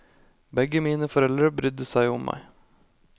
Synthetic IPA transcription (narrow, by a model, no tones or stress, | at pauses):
bɛɡəmiːnəfɔɾɛlɾəbɾʏd̪əsæɪʊmːæ̰ɪ